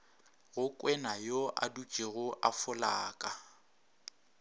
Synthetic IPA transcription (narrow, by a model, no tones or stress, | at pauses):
ɣʊkʼwɛnajoʔa̰du̥t͡ʃʼeɣʊʔafʊlaːkʼa